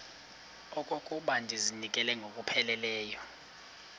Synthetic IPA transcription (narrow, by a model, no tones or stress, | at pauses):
ɔkʼokʼuɓandʱizinikʼɛlɛŋɡʱokʼupʰɛlɛlɛːjɔ